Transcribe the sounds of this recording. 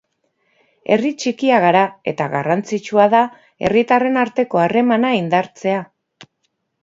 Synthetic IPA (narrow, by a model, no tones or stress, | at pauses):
e̞̰rit͡ʃikiaɣaɾae̞t̪aɣa̰rant͡sit͡ʃuaða | e̞rit̪are̞naɾt̪e̞ko̞are̞manaind̪aɾt͡se̞a